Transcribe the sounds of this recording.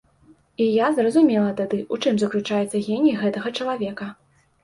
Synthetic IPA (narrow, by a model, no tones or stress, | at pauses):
ijazrɐzumʲɛlˠɐt̪ad̪ɨʔut͡ʂɨmzɐklʲut͡ʂajɛt̪sːɐɣʲenʲjiɣɛt̪ɐɣɐt͡ʂɐlˠavʲɛkɐ